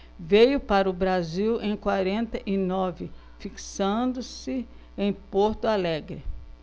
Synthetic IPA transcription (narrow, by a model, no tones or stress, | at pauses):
vejʊpaɾɐʊbɾaziwẽj̃kwaɾẽnt̪ɐʔɪnɔvɪ | fiksɐ̃d̪ʊsɪ | ẽj̃poɾt̪ʊalɛɡɾɪ